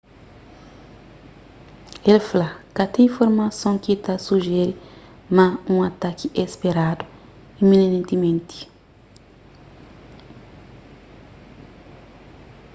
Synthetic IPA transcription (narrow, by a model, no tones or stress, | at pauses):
elfalakat̪ẽĩfoɾmasõŋkit̪asuʒɛɾi | mãũat̪akiʔespeɾad̪u | ĩminenẽnt̪imẽnt̪i̥